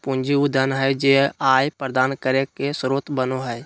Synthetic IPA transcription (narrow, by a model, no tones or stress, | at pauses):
pũnd͡ʒiud̪ʱənɦɛd͡ʒeaːjpɾəd̪aːnkəɾekesɾoːt̪bənoɦɛj